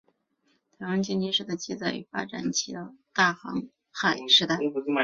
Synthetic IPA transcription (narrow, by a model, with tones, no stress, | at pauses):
t̪ʰa˧˥wa˧˥ŋt͡ɕɛ˥˧nt͡ɕi˥ʂɻ̩˥˧˩t̪a˧˩t͡ɕi˥˧t͡sa˥˩ɪy̰˨˧˩fa̰˥ʈ͡ʂa̰˨˩˦nt͡ɕʰi˧˥d̪ə˧t̪a˥˩xɑ̰˧˥ŋ | xa˨˩ɪʂɻ̩˧˥t̪a˥˩ɪ˧